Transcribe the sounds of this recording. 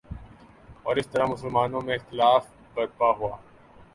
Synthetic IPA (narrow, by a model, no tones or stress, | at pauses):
ɔːɾɪst̪əɾamʊsəlmaːnõmẽɪxt̪ɪlaːf | bɐɾpaɦuaː